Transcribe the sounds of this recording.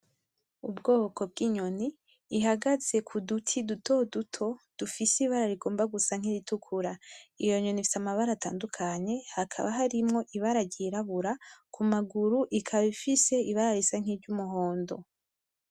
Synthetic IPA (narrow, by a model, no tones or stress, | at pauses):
ubɡo̞ːoko̞b̚ɡiːɲo̞niː | ɦaɡaze̞kʰudutʰidutʰo̞dutʰo̞d̥ufisiβaɾaɾiɡoːmbaɡusaŋ̥hiɾitukʰuɾaijo̞ɲo̞nifi̥samaβaɾata̰ːndukʰaɲe̞hakʰa̰βaɦaɾimŋo̞ʔiβaɾaɟiɾaβuɾakumaɡuɾuʔikʰaβifise̞iβaaɾisaŋ̥ibɟumuɦo̞ːndo̞̰